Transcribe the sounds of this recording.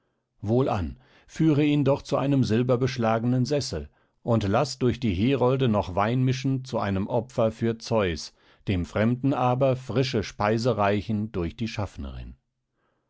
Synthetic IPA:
voːlʔa̰n | fyːʁəiːndɔχt͡suʔaɪnəmzɪlbɐbəʃlaːɡənənzɛsl̩ | ʔʊntlasd̥ʊɐçd̥iːɦeːʁɔldənɔχv̥aɪnmɪʃn̩t͡suʔaɪnəmʔɔpfɐfyːɐt͡sɔʏs | d̥eːmfʁ̥ɛmdn̩ʔaːbɐfʁ̥ɪʃəʃpaɪzəʁaɪçn̩dʊɐçd̥iːʃafnə̰ʁɪ̰n

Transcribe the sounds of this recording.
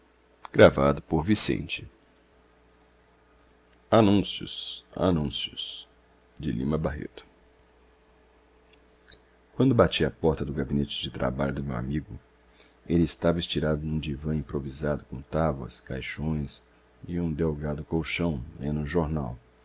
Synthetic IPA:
ɡɾavad̪ʊpoɾvisḛ̃nt͡ʃɪ | anũsjʊ̰sa̰nũsjʊs | d͡ʒɪlḭ̃mɐbaɦḛt̪ʊ̥ | kwɐ̃nd̪ʊbat͡ʃiɐpɔɾt̪ɐd̪ʊɡabinet͡ʃɪ̥d͡ʒɪt̪ɾa̰baʎʊd̪ʊmewa̰miɡʊ | elɪːst̪avɐɪst͡ʃiɾad̪ʊnũd͡ʒivɐ̃ĩpɾovizad̪ʊkõt̪abʊɐ̰skajʃõj̃s | ɪũd̪ewɡad̪ʊkowʃɐ̃w̃lḛ̃nʊʒoɾnaw

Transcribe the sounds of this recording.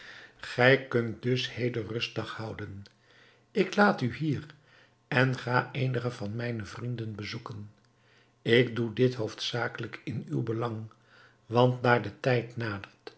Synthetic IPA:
χɛjkɵnt̚dɵshejdərɵstdɑχhʌwdən | ɪklaːtyɦiːr | ɛnχaːʔejnəχəvɑnmɛjnəvrindənbəzukən | ɪɡdudɪtɦowftsaːkələkɪny̰wbəlɑŋ | ʋɑntnaːɹdətɛjtnaːdəɹt

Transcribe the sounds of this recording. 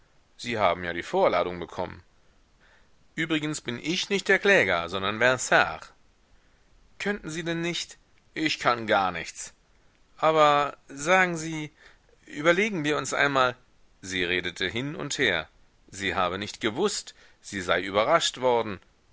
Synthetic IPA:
z̥iːhaːbm̩jaːdiːfoːɐla̰ːɾʊŋbəkʰɔ̰mə̰n | ʔyːbʁɪɡənsb̥ɪnʔɪçnɪçt̚d̥eːɐkl̥ɛːɡɐzɔndɐnvɛʁsa̰ːʁ | kʰœntn̩ziːdɛnːɪçt | ʔɪçkʰanɡaɐnɪçt͡s | ʔaːbɐzaːɡŋ̩ziː | ʔyːbɐleːɡŋ̩viːɐʊnsʔa̰ɪnmaːl | ziːʁeːdətʰəɦɪnʊ̰ntheːɐ | ziːɦaːbənɪçtɡ̥əvʊst | z̥iːzaɪʔyːbɐʁaʃtv̥ɔɐdn̩

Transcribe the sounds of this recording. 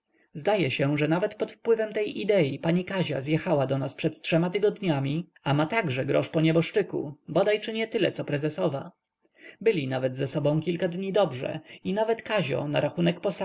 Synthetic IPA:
zd̪ajɛɕɛʐɛnavɛt̪pɔt̪fpwɘvɛmt̪ɛjʔid̪ɛjipaɲikaʑa̰zjɛxawad̪ɔnaspʂɛt̪tʂɛmat̪ɘɡɔd̪ɲamʲi | amat̪aɡʐɛɡɾɔ̰ʂpɔɲɛbɔʂt͡ʂɘkṵbɔd̪ajt͡ʂɘɲɛt̪ɘlɛt̪sɔpɾɛzɛsɔva̰ | bɘlʲinavɛd̪zɛsɔbɔ̃w̃kʲilkad̪ɲid̪ɔbʐɛ̰inavɛt̪kaʑɔ̰naɾʔaxunɛkpɔsa

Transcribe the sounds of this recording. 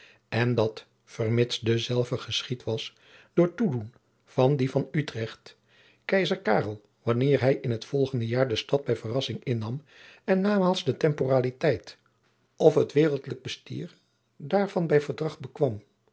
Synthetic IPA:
ɛndɑt | fəɹmɪtsdəzɛlˠvəχəsχitʋɑs | d̥ʊːɹtudun | v̥ɑndivɑnytrɛχt | kɛjzəɹkaːrəlˠ | ʋɑnɪːɹɦɛjɪnɦətfɔlˠχəndəjaːɹdəstɑd̚bɛjvərɑsɪŋɪnːɑm | ɛnːaːmaːlˠzdətɛmporaːlitɛjt | ʔɔfɦətʋɪːrəlˠtləɡ̚bəsty̰ːɹ | daːɹv̥ɑnbɛjvəɹdrɑχbəkʋɑm

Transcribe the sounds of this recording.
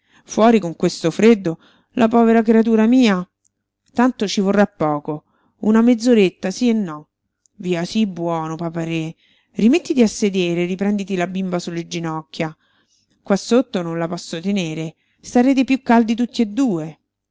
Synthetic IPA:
fwɔːɾikoŋkwest̪ofɾed̪ːo | lʔapɔːveɾak̬ɾeat̪̬uːɾamiːa | t̪ant̪ot͡ʃivorːapːɔːko | unamed̪zːoɾet̪ːasienːɔ | viːasibwɔːnopapaɾe | rimet̪ːit̪iasːed̪eːɾeripɾɛnd̪it̪ilabːimbasulːed͡ʒinɔkːja | kwasːot̪ːononlapɔsːot̪eneːɾe | st̪aɾeːt̪̬epjukːald̪it̪ut̪ːied̪ːuːe

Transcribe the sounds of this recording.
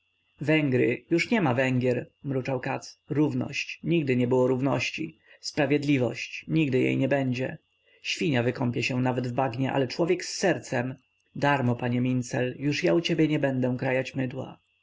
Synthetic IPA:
vɛŋɡɾɘ̰juʂɲɛmavɛŋɡʲjɛɾmɾut͡ʂawkat̪sɾuvnɔ̰ɕt͡ɕɲiɡd̪ɘɲɛbɘwɔɾuvnɔ̰ɕt͡ɕḭ | spɾavʲjɛd̪lʲivɔ̰ɕt͡ɕɲiɡd̪ɘjḛjɲɛbɛɲd͡ʑɛ̰ | ɕfʲiɲavɘkɔmpʲjɛɕɛ̃navɛd̪vbaɡɲɛʔa̰lɛt͡ʂwɔvʲjɛksːɛɾt̪sɛm | d̪aɾmɔpaɲɛmʲint̪sɛljuʂjaut͡ɕebʲjɛɲɛbɛnd̪ɛ̃kɾajat͡ɕmɘd̪wa̰

